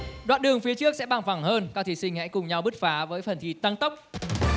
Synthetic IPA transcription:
ɗwa̰ː˧˨nɗɨ˨˩əŋfi˨˦ət͡ɕɨ˦˥ək̚sɛ̰˧˥ɓaː˧˩ŋfa˧˩ŋhəː˧nkaː˦˥kt̪ʰi˧˩sï˧ŋ̟hɛ̰˧˥jkʊ˨˩ŋ͡mɲa˧wɓɨ˦˥t̚faː˨˦vəː˨˦jfə˨˩nt̪ʰi˧˩t̪a˧ŋt̪ə˦˥wk͡p̚

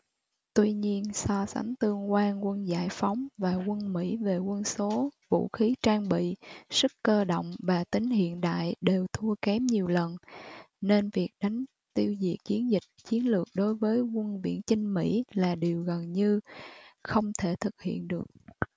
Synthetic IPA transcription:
t̪wi˧ɲi˧ənsɔ˧sa̰˨˦ŋt̪ɨ˧əŋkwaː˧nkwə˧nza̰ː˧˩jfa˨˦wŋ͡mvaː˨˩kwə˧nmḭ˧˥ve˨˩kwə˧nso˨˦vṵ˧˨xi˨˦t͡ɕaː˧ŋɓḭ˧˨sɨ˦˥kkːəː˧ɗo̰˧˨wŋ͡mvaː˨˩t̪ï˨˦ŋ̟hḭ˧˨ənɗa̰ː˧˨jɗe˨˩wt̪ʰu˧əkɛ˨˦mɲi˨˩əwlə˨˩n | ne˧nvi˨˩ək̚ɗa˨˦jŋ̟ | t̪i˧əwzḭ˧˨˩ək̚t͡ɕi˨˦ənzï˨˩k̟̚t͡ɕi˨˦ənlɨ˨˩ək̚ɗo˨˦jvəː˨˦jkwə˧nvḭ˧˥ənt͡ɕï˧ŋ̟mḭ˧˥laː˨˩ɗi˨˩əwɣə˨˩nɲɨ˧ | xə˧wŋ͡mt̪ʰe˧˩t̪ʰɨ˨˩k̚hḭ˧˨ənɗɨ˨˩ək̚

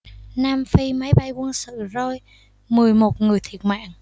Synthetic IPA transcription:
naː˧mfi˧ma˨˦jɓa˧jkə˧ənsɨ̰˧˨zo˧˩j | mɨ˨˩əjmo˨˩t̚ŋɨ˨˩əjt̪ʰi˨˩ət̚ma̰ː˧˨ŋ

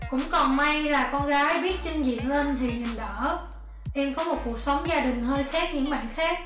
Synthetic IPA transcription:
kʊ̰˧˥wŋ͡mkɔ˨˩nma˧jlaː˨˩kɔ˧nɣaː˨˦jɓi˦˥ət̚t͡ɕï˧ŋzḭ˧˨ənleː˧nt̪ʰi˨˩ɲi˨˩ŋɗəː˧˩ | ʔɛ˧mkɔ˨˦mo˨˩t̚ku˨˩ə˩k̚sə˨˦wŋ͡mzaː˧ɗï˨˩ŋ̟həː˧jxaː˦˥k̚ɲɨ̰˧˥ŋɓa̰ː˧˨nxaː˦˥k̚

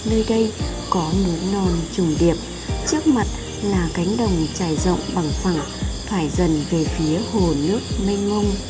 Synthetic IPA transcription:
nəː˧jɗə˧jkɔ˨˦nu˨˦nɔ˨˩nt͡ɕʊ˨˩ŋ͡mɗi˨˩əp̚ | t͡ɕɨ˦˥ək̚ma˨˩t̚ | laː˨˩ka˨˦jŋ̟ɗə˨˩wŋ͡mt͡ɕaː˧˩jzə̰˧˨wŋ͡mɓa˨˩ŋfa˧˩ŋ | t̪ʰwaː˧˩jzə˨˩nve˨˩fi˨˦əho˨˩nɨ˦˥ək̚ma˧ŋ̟mə˧wŋ͡m

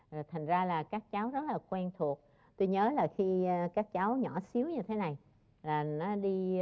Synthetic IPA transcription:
jt̪ʰa˨˩ŋ̟zaː˧laː˨˩kaː˦˥k̚t͡ɕa˨˦wzə˦˥t̚laː˨˩kwɛ˧nt̪ʰu˨˩ək̚ | t̪o˧jɲəː˨˦laː˨˩xi˧kaː˦˥k̚t͡ɕa˨˦wɲɔ̰˧˩si˨˦əwɲɨ˧t̪ʰe˨˦na˨˩j | laː˨˩nɔ˨˦ɗi˧

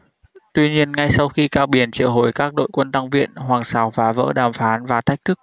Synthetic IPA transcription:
t̪wi˧ɲi˧ənŋa˧jsa˧wxi˧kaː˧wɓi˨˦ənt͡ɕḭ˧˨əwɦo˨˩jkaː˦˥k̚ɗo̰˧˨jkwə˧nt̪a˧ŋvḭ˧˨ənhwaː˨˩ŋsaː˨˦wfaː˨˦və̰ː˧˥ɗaː˨˩mfaː˨˦nvaː˨˩t̪ʰa˦˥jk̚t̪ʰɨ˦˥k̚

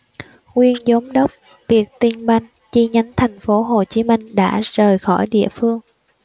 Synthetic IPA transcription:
ŋwi˧ənzə˨˦wŋ͡mɗə˦˥wk͡p̚ | vi˨˩ək̚t̪i˧ŋɓa˧jŋ̟ | t͡ɕi˧ɲə˨˦nt̪ʰɛ˨˩jŋ̟fo˨˦ɦo˨˩t͡ɕi˨˦mï˧ŋ̟ɗa̰ː˧˥zəː˨˩jxɔ˧˩jɗḭ˧˨əfɨ˧əŋ

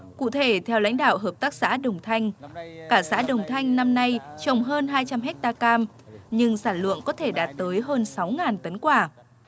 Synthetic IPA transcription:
kṵ˧˨t̪ʰe˧˩t̪ʰɛ˧wla̰˧˥jŋ̟ɗa̰ː˧˨wɦəː˨˩p̚t̪aː˦˥k̚sa̰ː˧˥ɗə˨˩wŋ͡mt̪ʰa˧jŋ̟kaː˧˩sa̰ː˧˥ɗə˨˩wŋ͡mt̪ʰa˧jŋ̟na˧mna˧jt͡ɕə˨˩wŋ͡mɦəː˧nɦaː˧jt͡ɕa˧mɦɛ˦˥k̚t̪aː˧kaː˧m | ɲɨ˧ŋsaː˧˩nlwɨ̰˧˨əŋkɔ˨˦t̪ʰe˧˩ɗaː˨˩t̚t̪əː˨˦jɦəː˧nsa˨˦wŋaː˨˩nt̪ə˨˦nkwaː˧˩

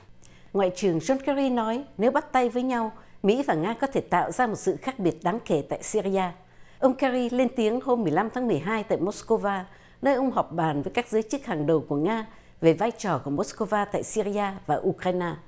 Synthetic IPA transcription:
ŋwa̰ː˧˨jt͡ɕɨ˨˩əŋzɔ˧nkɛ˧ɾi˧nɔ˨˦jne˨˦wɓa˦˥t̚t̪a˧jvəː˨˦jɲa˧wmḭ˧˥vaː˨˩ŋaː˧kɔ˨˦t̪ʰe˧˩t̪a̰ː˧˨wzaː˧mo˨˩t̚sɨ̰˧˨xaː˦˥k̚ɓi˨˩ət̚ɗaː˨˦ŋke˧˩t̪a̰ː˧˨jsi˧ɾi˧aː˧ | ʔə˧wŋ͡mkɛ˧ɾi˧le˧nt̪i˨˦əŋho˧mːɨ˨˩əjla˧mt̪ʰaː˨˦ŋm˨˩əjɦaː˧jt̪a̰ː˧˨jmo˦˥sko˧vaː˧ | nəː˧jʔə˧wŋ͡mɦɔ˨˩wk͡p̚ɓaː˨˩nvəː˨˦jkaː˦˥k̚zəː˨˦jt͡ɕɨ˦˥k̚haː˨˩ŋɗə˨˩wku˧˩əŋaː˧ | ve˨˩vaː˧jt͡ɕɔ˨˩ku˧˩əmo˦˥sko˧vaː˧t̪a̰ː˧˨jsi˧ɾi˧ʔaː˧vaː˨˩ʔu˧kɾaː˧jnaː˧

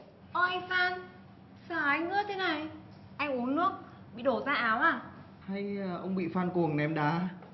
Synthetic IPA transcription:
ʔɔ˧˩jfaː˧n | saː˧˩ʔa˨˧jŋ̟ʔɨ̰˧˥t̪ʰe˨˦na˨˩j | ʔa˧jŋʔu˨˦nnɨ˦˥ək̚ | ɓḭ˧˨ɗo˧˩zaː˧ʔaː˨˦wʔaː˧˩ | ha˧jʔə˧wŋ͡mɓḭ˧˨faː˧nku˨˩əŋnɛ˨˦mɗaː˨˦

